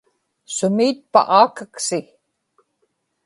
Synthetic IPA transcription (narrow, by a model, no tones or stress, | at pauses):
sʊmiːt̪̚pa̰ʔaːkəksɪ